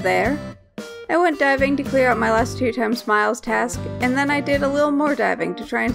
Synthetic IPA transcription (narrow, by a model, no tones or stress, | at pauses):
ðə˞ | aɪwɛ̃nd̥aɪvɪ̃ŋtɨkʰl̥ɪɹaʊt̚maɪlæstʰʉtʰãɪ̃mz̥maɪlˠz̥tʰæskɨ̃nðɨ̃naɪdɪɾəlɪɾl̩ˠmɔɹdaɪvɪ̰̃ŋtɨtʰɹ̥aɪɨ̃n